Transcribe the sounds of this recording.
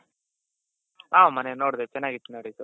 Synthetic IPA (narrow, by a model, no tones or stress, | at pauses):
aːmɐnenoːɽd̪et͡ʃɐnːaːɡit̪ːunɐɽit̪u